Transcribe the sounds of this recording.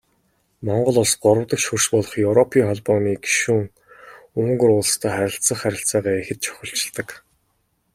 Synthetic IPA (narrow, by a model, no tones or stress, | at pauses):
mɔɴɢɞ̆ɮʊɮsɢʊɾə̆wt̪ə̆kʃur̥ʃpʊːɮɞ̆χjɵwɾɔpʰiːŋχɔɮpɔːniːɡi̥ʃuːŋ | uŋɡɵ̆rʊːɮst̪ʰæːχæɾʲɪ̆ɬt͡sə̆χæɾʲɪ̆ɬt͡sæːʁæːexɘ̆t̪̚t͡ɕʰœ̥xʲɪ̆ɬt͡ɕɪ̆ɮt̪ə̆k